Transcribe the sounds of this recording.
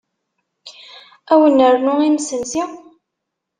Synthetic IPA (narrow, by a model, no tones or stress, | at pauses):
æwənːəɾnʊimsənsi